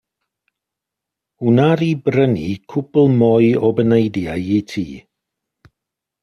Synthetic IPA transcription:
hunaɾibɾənikʰʊplˠmɔjɔbənejdjajitʰḭː

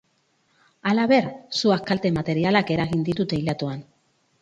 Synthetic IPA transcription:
alaβe̞ɾsuakalt̪e̞mat̪e̞ɾialake̞ɾaɣind̪it̪ut̪e̞ilat̪uan

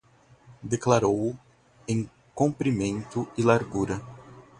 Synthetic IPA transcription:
d̪eklaɾow | ẽj̃ | kõpɾimẽnt̪ʊɪlaɾɡuɾɐ

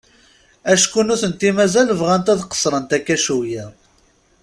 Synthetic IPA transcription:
æʃkunʊθənt̪imæzælvʁænt̪æðqə̥sˤɾˤənt̪ækːæʃujæ

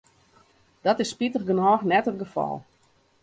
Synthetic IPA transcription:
d̥ɔtɪsːpitəχɡənɔːxnɛtət̚ɡəfɔ̰lˠ

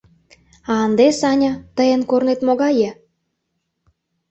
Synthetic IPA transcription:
ɑːnd̪esɑnʲɑt̪əjə̆nkornet̪moɣɑjĕ

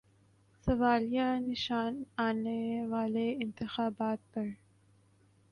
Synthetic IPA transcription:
sɐwɑːljanɪʃɑːnɑːnewɑːleɪnt̪ɪxɑːbɑːt̪̚pəɾ

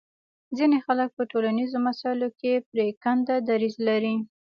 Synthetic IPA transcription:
zinexalək̚pəʈolanizomasɑɪlokepɾekand̪ad̪aɾizlaɾi

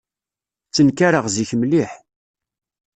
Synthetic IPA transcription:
t͡sːənkaɾəʁziçmliħ

